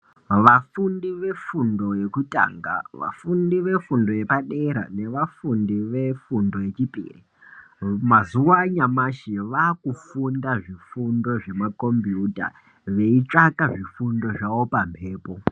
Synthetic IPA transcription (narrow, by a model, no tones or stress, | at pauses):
ʋafundiʋe̞fundo̞je̞kutʼa̰ːŋɡa̰ʋa̰fundiʋe̞fundo̞je̞paɗe̞ɾa̰ne̞ʋafundiʋe̞fundo̞je̞t͡ʃipḭːri | mazuwaɲamaʃiʋaːkufundaʐifundo̞ʐe̞mako̞mbiuta̰ | ʋe̞it͡ʂakaʐifundo̞ʐawo̞pampʰe̞ːpo̞